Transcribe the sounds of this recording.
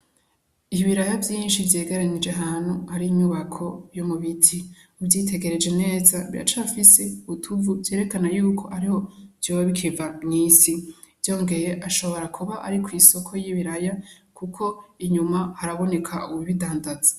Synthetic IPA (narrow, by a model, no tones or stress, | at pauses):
ihiβiɾajavjiːnʃivje̞ːɡeɾanid͡ʒeɦaːn̥huhaɾiːmuβakʰo̞jomuβitʰi | ubjiːtʰe̞ɡe̞ɾe̞d͡ʒe̞ne̞ːzaβiɾa̰t͡ʃafiseβutʰuvuvje̞ːɾe̞kanajuːkʰo̞ʔaɾiho̞vjoːβaβikʰivaŋiːsi | vjo̞ːŋɡe̞je̞ʔaʃo̞βo̞ɾakʰuβaʔa̰ɾikwiso̞kʰo̞jiβiɾaja | kʰukʰo̞iɲumahaɾaβo̞ne̞kʰa̰uβiβidaːndazḁ